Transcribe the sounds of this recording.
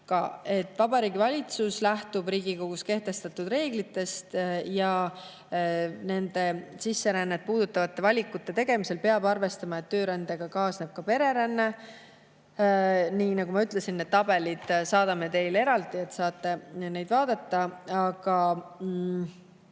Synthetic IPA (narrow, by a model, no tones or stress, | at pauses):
kɑ̰e̞t̪ːˑvɑbɑɾiːɡivɑlʲit̪suslæht̪ubɾiːɡiko̞ɡ̥uske̞ht̪e̞st̪ɑt̪ːˑud̪re̞ːɡ̥lit̪ːe̞st̪jɑ | ne̞nd̪̥e̞sisːe̞ɾænːet̪̚puːd̪̥ut̪ːˑɑvɑt̪ːe̞vɑlʲikːut̪ːe̞t̪e̞ɡ̥e̞mise̞lpe̞ɑbɑrve̞st̪ɑmɑet̪ːøːɾænd̪̥eɡ̥ɑkɑːsne̞b̥̚kɑpe̞ɾe̞ɾænːe̞ | niːnɑɡ̥umɑyt̪le̞sinːed̪̥̚t̪ːɑbe̞lid̪̥sɑːd̪ɑme̞t̪e̞jle̞ɾɑld̪ie̞t̪ːsɑːt̪ːˑe̞ne̞jd̪̥vɑːd̪ɑt̪ːɑɑɡ̥ɑ